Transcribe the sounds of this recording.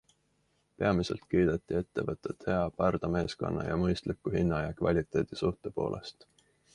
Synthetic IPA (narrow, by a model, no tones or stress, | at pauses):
pe̞ɑmise̞̰lt̪kiːd̪̥et̪ˑːie̞t̪ːe̞vɤt̪ːˑet̪he̞ɑpærd̪̥ɑme̞ːsko̞̰nːɑ̰jɑmɤjst̪likːuhinːɑjɑkvɑlʲit̪ːˑe̞ːd̪̥isuht̪epo̞̰ːlʔe̞̰st̪